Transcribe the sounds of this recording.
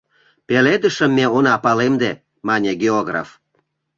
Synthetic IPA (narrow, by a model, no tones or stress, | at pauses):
peled̪əʃəmːeonɑpɑlemd̪e | mɑnʲeɡʲeoɣra̰f